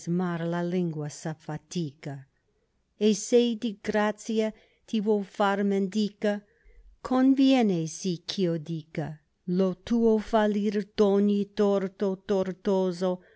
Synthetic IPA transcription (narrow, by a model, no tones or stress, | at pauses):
zmaɾlaliŋɡwasafat̪iːka | esejd̪iɡɾat̪sia | t̪ʰivofaɾmend̪iːka | kʰonvjɛnesikʰiod̪ika | lot̪uːofaliɾd̪onit̪oɾt̪ot̪oɾt̪oːzo